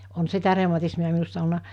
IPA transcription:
on sitæ reˑumɑtismiɑ minusːɑ olnɑ

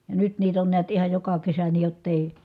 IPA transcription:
jɑ nyt niːt on niæt ihɑj jokɑ kesæ niː jotː eˑi

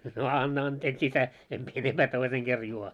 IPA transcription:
no ɑnːɑ ɑnteːks isæ em mie enemb̥æː toiseŋ ɡ̊er juo

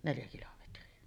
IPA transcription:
neljæ kilometriɑ

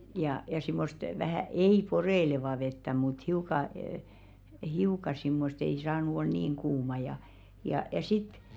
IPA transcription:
jɑ jɑ simːost ʋæhæˑ ei poreĭleʋɑˑ ʋetːæ mut hiukɑ əː hiukɑ simːost ei sɑːnu ol niːŋ kuːmɑ jɑ jɑ jɑ sit

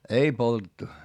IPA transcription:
ei poltetːu

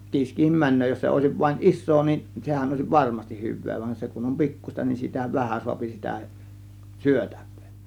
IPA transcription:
kiːskihim mænˑøː jos se oˑe̝siʋ ʋɑĭn ʔisˑoː nin sehæn oˑe̝siʋ ʋɑrmɑstih hyʋˑeː ʋɑnʲ se kun om pi̞kːusʲtɑ nin sitæ ʋæhæn suɑpi sitæ syøtæ̥ʋ̥ˑe̥ː

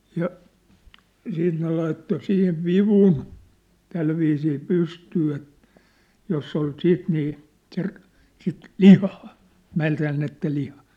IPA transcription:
jɑ siːt ne lɑitːo sihiʋ ʋiʋun tælʋiːsiː pystyː et josː ol siːt niː ser sit lihɑː mæːntæːnːetːæ lihɑː

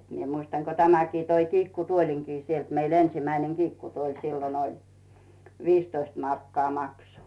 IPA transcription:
mie muistɑn ko tæmækiː toi kiːkːutuoliŋkiː sielt meil ensimæineŋ ɡ̊iːkːutuolʲ silːon olʲ ʋiːstoist mɑrkːɑː mɑkso

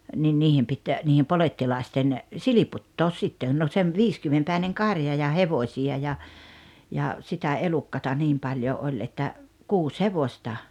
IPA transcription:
nin niːhem pit niːhem poletːilɑˑesten siliputːoːs sitːeˑn no sem ʋiːskymːempæˑineŋ kɑrjɑ jɑ heʋosʲiɑ jɑ jɑ sitæ elukːɑtɑ niːm pɑljo olʲ etːæ kuːs heʋostɑ

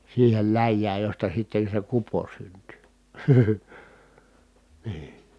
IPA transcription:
siːhel læjːæːj jostɑ sitːen̞ se kupo synty niː

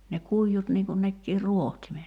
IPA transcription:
ne kuijːut niŋ kun nekːiː ruohtimet

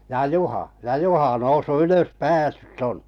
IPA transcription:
jɑ juhɑ jɑ juhɑ nousːu yløs pæːsːytː on

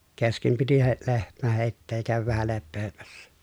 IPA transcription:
keskem piti he lehmæ heˑi̯tːeːj jɑ kæˑøʋæʋ ʋæhæ lepːeːmæsːæ

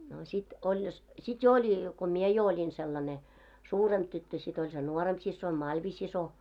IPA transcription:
no sit olʲ jos sit jo olʲi ko mie jo olʲin selːɑne suːremb̥ tytːø sit olʲ se nuoremp sisːoin mɑlʋisiso

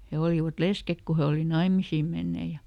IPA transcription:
he oliʋɑt leskek ku he oli nɑimisiː menːeː jɑ

